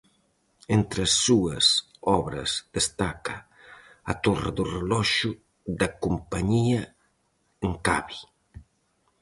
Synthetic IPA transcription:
ent̪ɾɐsːuɐs | ɔβɾɐ̰zd̪est̪akɐ | ɐt̪orɐ̰ðurelɔʃu | ðɐkumpaɲiɐ | eŋkaβi

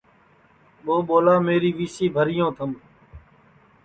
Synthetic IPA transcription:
ɓoːɓoːlaːmeːɾiːʋiːsiːbʱəɾɪjõːt̪ʰəm

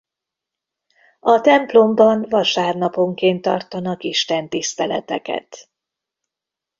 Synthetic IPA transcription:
ɒt̪ɛmplo̞mbɒnvɒʃaːrnɒpo̞ŋkeːnt̪ːɒ̰rt̪ɒnɒkiʃt̪ɛnt̪ist̪ɛlɛ̰t̪ɛkɛ̰t̪

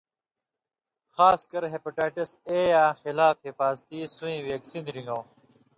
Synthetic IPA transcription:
xaːskɐɾɦepɐʈaːʈiseːjaːxilaːfhifaːzt̪iːsuĩːweːksiːnɾĩŋɡɐw

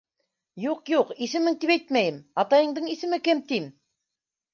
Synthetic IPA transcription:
juqjuqisɘ̆mɘŋt̪ipæjt̪mæjɘmɑt̪ɑjɤ̆ɴd̪ɤɴisɘ̆mɘkɘmt̪im

